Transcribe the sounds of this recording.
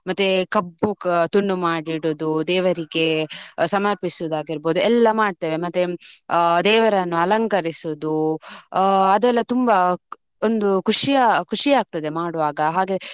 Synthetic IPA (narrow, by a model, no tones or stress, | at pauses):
mɐt̪ːekɐbːut̪uɳːumaːɽiɽod̪ud̪ɛːʋɐɾiɡe̞sɐmɐɾpisud̪aːɡiɾboːd̪uɛlːɐmaːɖ̚t̪eːʋe̞mɐt̪ːe | d̪ɛːʋɐɾɐnːuɐlɐŋkɐɾisud̪u | ɐd̪ɛlːɐt̪umbɐ | ond̪ukʰuʂijakʰuʂiaːɡ̚t̪ɐd̪e̞maːɽuʋaːɡɐɦaːɡe